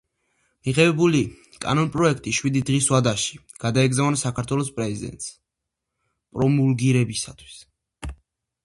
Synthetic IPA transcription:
miʁɛbɛbuli | kʼa̰nɔnpʼɾɔɛkʰt̪ʼiʃwid̪id̪ʁiswad̪aʃi | ɡ̥ad̪aɛɡzavnsakʰaɾt̪ʰwɛlɔspʼɾɛzid̪ɛ̰nt̪ʼs | pʼɾɔmulɡiɾɛbisat̪ʰwi̥s

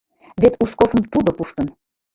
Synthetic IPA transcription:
βet̪uskofə̆mt̪ud̪ŏpuʃt̪ə̆n

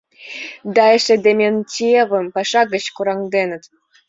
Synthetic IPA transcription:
d̪ɑeʃĕd̪emʲentʲievə̆mpɑʃɑɣə̆t͡ɕkuɾɑŋd̪enə̆t̪

